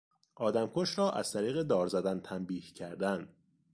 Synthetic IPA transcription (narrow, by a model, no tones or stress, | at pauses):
ʔɒːd̪æmkʰoʃɾɒːʔæ̰z̥t̪ʰæɾiːɣe̞d̪ɒːɾzæd̪ænt̪ʰæmbiːhcʰæɾd̪æn